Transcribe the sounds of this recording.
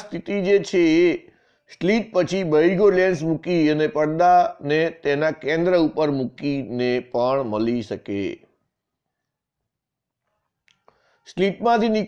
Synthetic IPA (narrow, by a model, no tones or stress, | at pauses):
st̪ʰit̪id͡ʒet͡ʃʰeː | sʈliʈ̚pət͡ʃʰibəiɡolẽns̬mukiənepəɽd̪anet̪enakẽnd̪ɾəupəɾmukinepəɳməliʃəkḛ | sʈliʈmãt̪ini